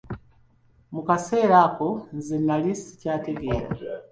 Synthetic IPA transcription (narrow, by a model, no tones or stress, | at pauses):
mukaseɾakonzinalisi̥caːteɡeːɾa̰